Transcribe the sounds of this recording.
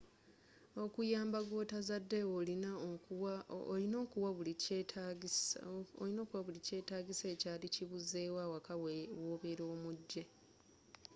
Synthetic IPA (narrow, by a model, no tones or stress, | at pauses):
o̞kujaːmbaɡo̞ːtazadːe̞olina | lino̞ːkuwaβuli | oino̞kuwaβulice̞ːtaːɡise̞ːcaːliciβuze̞ːwawakawoːβeɾoːmuɟːe̞